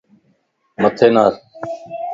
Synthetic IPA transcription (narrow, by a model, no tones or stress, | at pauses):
mət̪ʰeːnaːɾ